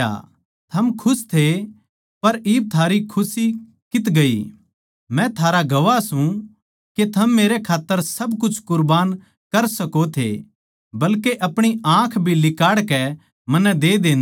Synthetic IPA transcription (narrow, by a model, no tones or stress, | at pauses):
a̰ | t̪ʰɐmkʰʊst̪ʰe | pɐɾɪːb̚t̪ʰaːɾikʰʊsi | kɪt̪ɡɐḭ | mɛ̃t̪ʰaːɾaɡɐʋasũ | ket̪ʰɐmːeːɾekʰaːt̪ːəɾsɐbkʊt͡ʃʰkʊɾbaːn | kɐɾsɐkot̪ʰḛ | bɐlkeʔɐpɽ̃iãːkʰbʱilɪkaːɽkɛ | mɐnːɛd̪eːd̪ẽːn